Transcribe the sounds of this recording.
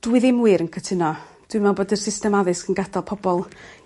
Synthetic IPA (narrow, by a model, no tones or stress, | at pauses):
d̥wɨðɪmuɨɾənkʰətʰɪnɔ | d̥wɪnmaboːdərsɪstɛmaðɨskənɡadalˠpʰɔbɔlˠ